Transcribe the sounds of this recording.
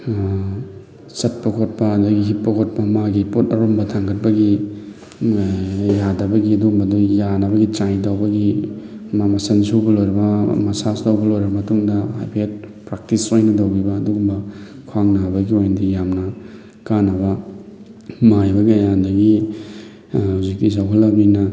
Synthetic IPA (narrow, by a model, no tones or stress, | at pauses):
sɐt̚pɐkʰot̚pɐːdɐɡiɦit̚pɐkʰot̚pɐmaɡipotɐɾombɐtʰaŋɡʰɐt̚pɐɡi | jadɐbɐɡiɐduɡumbɐdujanɐbɐɡitɾajtawbɐɡi | mamɐsɐnsubɐlojɾɐbɐmɐsasdawbɐlojɾbɐmɐtuŋdɐhajpʰiet̚pɾak̚tisojnɐdowɡibɐːduɡumbɐ | kʰaŋnabɐɡiojnɐdijamnɐ | kanːɐbɐ | majbɐɡiajandɐɡi | huzik̚tis̬awɦɐlːɐbinɐ